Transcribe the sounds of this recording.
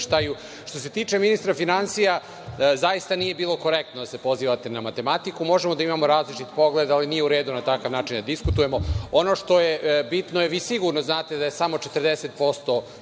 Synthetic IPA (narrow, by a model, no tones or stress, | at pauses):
ʃt̪aju | ʃt̪o̞se̞t̪iːt͡ʂe̞minist̪ɾafinansija | zajist̪anije̞biːlˠo̞ko̞ɾekt̪nod̪ase̞po̞ziːʋat̪e̞namat̪e̞mat̪ikumo̞ʒemod̪aimamo̞ɾaːzlit͡ʃit̪po̞ɡle̞d̪alinijeuɾeːd̪unat̪akaʋnaːt͡ʃind̪ad̪iskut̪uje̞mo̞ono̞ʂt̪o̞jebit̪nojeʋiːsiɡuɾnoznaːt̪e̞d̪aje̞samo̞t͡ʃet̪rd̪ese̞t̪̚po̞st̪o̞